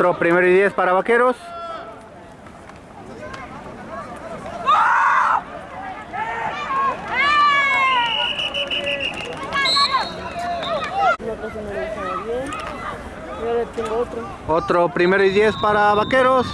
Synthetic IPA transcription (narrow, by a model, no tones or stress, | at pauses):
ɾopɾimeɾoiðjespaɾaβakeɾos | not̪ɾasenelesaɾaβjen | oɾet̪jeŋɡoot̪ɾo | ot̪ɾopɾimeɾoiðjespaɾaβakeɾos